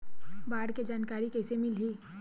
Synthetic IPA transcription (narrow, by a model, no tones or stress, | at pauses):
baːɽked͡ʒaːnkaːɾikɛːsemɪlɦiː